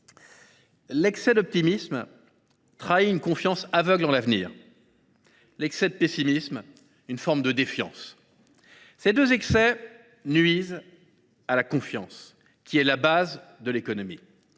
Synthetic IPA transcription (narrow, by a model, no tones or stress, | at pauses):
lɛksɛd̪ɔp̚t̪imism | t̪χaiynkɔ̃fjɑ̃savœɡlɑ̃lavnḭːʁ | lɛksɛd̪əpesimism | ynfɔʁmd̪əd̪efjɑ̰̃s | sed̪øzɛksɛ | nɥiz | alakɔ̃fjɑ̰̃s | kʲiɛlabazd̪əlekɔnɔmi